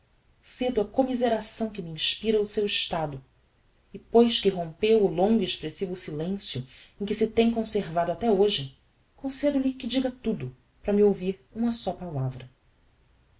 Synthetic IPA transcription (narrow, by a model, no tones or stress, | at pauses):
sed̪ɐkomizeɾasɐ̃w̃kɪmiĩʃpiɾɐʊsewɪʃt̪ad̪ʊ | ɪpojʃkɪɦõpewʊlõŋɡʊieʃpɾesivʊsilẽsjʊ | ẽj̃kɪsɪt̪ẽj̃kõseɾvad̪ʊat̪ɛoʒɪ | kõsed̪ʊlikɪd͡ʒiɡɐt̪ud̪ʊ | pɾɐmiowviɾũmɐsɔpalavɾɐ